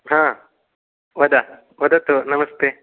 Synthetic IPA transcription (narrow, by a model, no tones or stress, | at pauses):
ɦãː | ʋɐd̪a | ʋɐd̪at̪onɐmɐst̪e